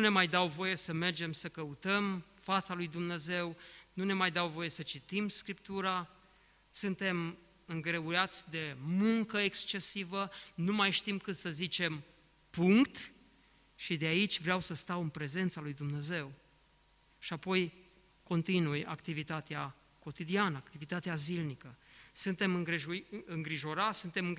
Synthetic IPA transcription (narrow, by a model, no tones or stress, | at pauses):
une̞majd̪awvo̞je̞səme̞rd͡ʒe̞msəkəut̪əmfat̪salujd̪umne̞ze̞wnune̞majd̪awvo̞je̞sət͡ʃit̪imskɾipt̪uɾa | sɨnt̪e̞m | ɨŋɡɾe̞uɾat̪sʲd̪e̞muŋkəekst͡ʃe̞sivənumajʃt̪imkɨt̪səzit͡ʃe̞m | puŋkt̪ | ʃid̪eait͡ʃʲvɾeawsəst̪awɨnpɾe̞ze̞nt̪salujd̪umne̞ze̞w | ʃiapo̞j | ko̞nt̪inuja̰kt̪ivit̪at̪ea | ko̞t̪id̪ianəakt̪ivit̪at̪eazilnikəsɨnt̪e̞mɨŋɨŋɡɾiʒo̞ɾat̪sʲsɨnt̪e̞mɨ